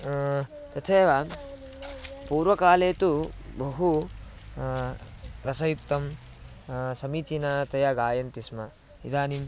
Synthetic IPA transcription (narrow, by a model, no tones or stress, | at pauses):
t̪ɐt̪ʰeːʋa | puːɾʋɐkaːleːt̪ubɐɦu | ɾɐsɐjupt̪ɐm | sɐmit͡ʃinɐt̪ɐjɐɡaːjɐnt̪ismɐ | id̪aːnim